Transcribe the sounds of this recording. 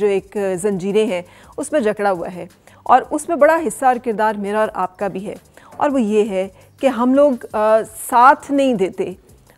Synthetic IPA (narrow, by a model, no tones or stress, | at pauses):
d͡ʒoːeːkzɐ̃nd͡ʒiːɾẽɦɛ̃ | ʊsmẽd͡ʒɐkɽaɦua̰ɦɛː | ɔ̰ːɾʊsmẽbɐɽaɦɪsːaɔːɾkɪɾd̪aːɾmeːɾaɔːɾʔaːp̚kabʱiɦɛ̰ːɔ̰ːɾʋojeɦɛ | keɦɐmloːɡsaːt̪ʰnɐɦĩd̪eːt̪eː